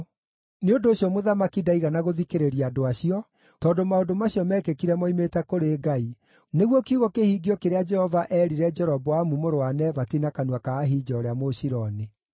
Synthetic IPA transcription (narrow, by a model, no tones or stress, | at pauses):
neondoːɕjɔmoðamakidaiɣanaɣoðikeɾeɾiadoaɕiɔ | tɔdomaondomaɕiɔmɛːkekiɾɛmɔimetɛkoɾeːɡai | neɣwɔkiuɣɔkehiːɡiɔkeɾead͡ʒɛhɔvaʔɛɾiɾɛd͡ʒɛɾɔbɔwamumoɾoanɛβatinakanuakaːɦid͡ʒɔːɾeamoɕiɾɔne